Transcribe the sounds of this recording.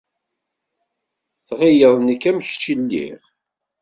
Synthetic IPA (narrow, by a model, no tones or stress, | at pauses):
θʁijəðˤnikːæmçt͡ʃːilːḭʁ